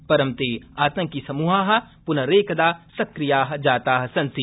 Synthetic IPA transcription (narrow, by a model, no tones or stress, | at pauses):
pɐɾɐmt̪eːaːt̪ɐ̃ŋkisɐmuːɦaːɦɐ̆pʊnɐɾeːkɐd̪aːsɐkɾijaːɦɐd͡ʒaːt̪aːɦɐsɐ̃nsi